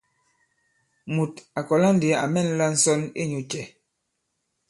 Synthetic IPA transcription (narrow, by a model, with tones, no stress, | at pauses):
mu˨ta˨kɔ˨la˦n˦de˨˦a̰˨mɛ˦˨n˦la˦n̩˦sɔ˦nḛ˦ɲu˨t͡ʃɛ˨